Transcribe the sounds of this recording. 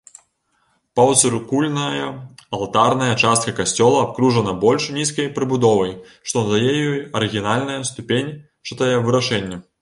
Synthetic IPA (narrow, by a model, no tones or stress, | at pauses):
pɐw̪sɾkulʲnɐjɐɐlˠt̪arnɐjɐt͡ʂast̪̚kɐkasʲt͡sʲɔlˠɐap̚kɾuʐɐnɐbɔlʲʂnʲiskɐjpɾɨbud̪ɔvɐj | ʂt̪ɔnd̪ajɛjɔjɐɾɨɣʲinalʲnɐjɐst̪upʲenʲ | t͡ʂɨt̪ɐjɛvɨɾaʂɛnʲːɐ